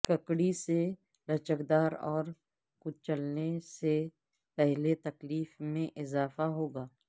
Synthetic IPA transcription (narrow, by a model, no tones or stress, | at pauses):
kɐkɽise | ɾɐt͡ʃəkd̪aːɾɔːɾ | kʊt͡ʃt͡ʃəlnese | pɛɦlet̪ɐkliːfmẽʔɪzaːfaɦoːɡaː